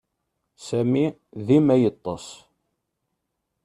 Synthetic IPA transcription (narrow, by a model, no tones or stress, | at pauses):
sæmi | ðimæjət̪ˤːɑs